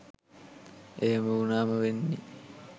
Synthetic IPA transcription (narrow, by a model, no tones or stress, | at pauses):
ʔeɦeməunaːməʋenːi